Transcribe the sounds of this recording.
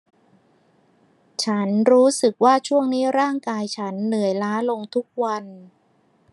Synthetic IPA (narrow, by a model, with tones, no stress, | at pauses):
t͡ɕʰa˦˥nɾuː˦˥sɯ˨˩k̚waː˥˩t͡ɕʰu˥˩əŋniː˦˥ɾaː˥˩ŋkaː˧jt͡ɕʰa˦˥nːɯ˨˩˦əjlaː˦˥lo˧ŋt̪ʰu˦˥k̚wa˧n